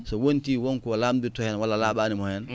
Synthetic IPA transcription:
sɔwontiwɔnkɔlamditɔhɛnwalːalaɓaːnimɔhɛn

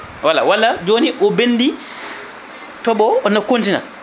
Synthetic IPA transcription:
wala̰walad͡ʒoːniʔɔbenːdi | tɔbɔɔnakontina̰

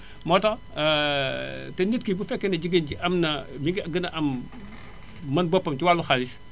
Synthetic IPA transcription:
mɔtɐ | tɛnitkibufɛkːɛnɐd͡ʒiɡənɟiʔɐmnɐmiŋɡiɡɐnɐʔɐm | mɐnbɔpːɐmtiwalːuxalis

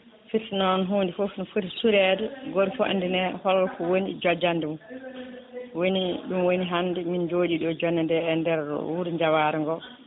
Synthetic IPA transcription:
fisinɔnɦuːndifofinfutsuɾɛdɛɡoɾifɔʔa̰ndinɛhɔlɔlkɔwonid͡ʒɔd͡ʒandɛmu | woniɗumwoniɦandɛmind͡ʒoːd͡ʒiɗɔd͡ʒɔnːandɛːndɛɾɗɔ̰wuɾɲd͡ʒawaɾɛŋɡɔ

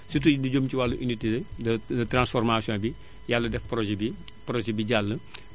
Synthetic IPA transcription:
sut̬udiɟomciwalːuʔinitidɐdɐdɐtransfɔrmaːsijɔ̃bi | jalːɐdɛfpɾɔʒɛbi | pɾɔʒɛbiɟalːɐ

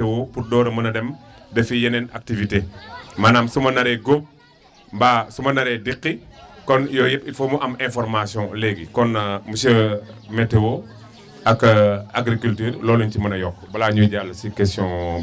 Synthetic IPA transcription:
tɛwɔpurdɔːɾɐmɐnɐdɛm | dɐfijɐnɛna̰k̚tivitemanaːmsumɐnɐɾɛɡom | mbasumɐnɐɾɛdiqːikɔnjɔjɛpifomuʔɐmɛ̃nfɔɾmasijɔ̃lɛɡikɔnmusɐmɛtːɛwɔ | ɐkːaɡɾikyltyːɾlɔːlɔɲcimɐnɐjɔkːbɐlaɲuɟalːɐsikɛstjɔ̃

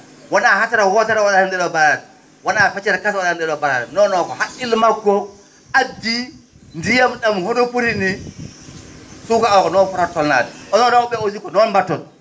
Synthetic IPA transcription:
wanahatɛɾawɔtɛɾawaɗahɛndɛɗɔbaɾaɾɛ | wanafɛt͡ʃɛɾakaswaɗahɛndɛɗɔbaɾa̰ɾɛnɔnɔkɔhaʔilmakːɔ | ʔadːi | ndijamɗamhonopuɾini | sukaɔkɔnɔfɔɾatɔlna̰dɛɔnɔnɔkɔɓɛosikɔnɔnmbatːɔl

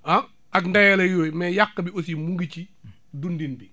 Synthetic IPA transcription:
a | ʔakndajɐlɐjoːjmɛjakːɐbiosimuŋɡit͡ʃi | dundinbi

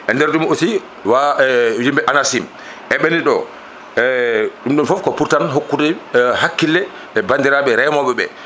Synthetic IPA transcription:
ʔɛndɛɾɗumosi | wajimbɛʔanasim | ʔɛɓeniɗɔ̰ | ɛɗumɗumfɔfkɔpuɾtanɦokːudɛhakːilːɛ | ɛbandiɾaɓɛɾɛjmɔɓɛɓɛ̰

